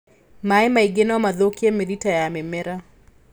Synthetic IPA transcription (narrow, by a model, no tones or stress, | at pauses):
maɛmaiɡenawamaðokiameɾitajamɛmɛɾa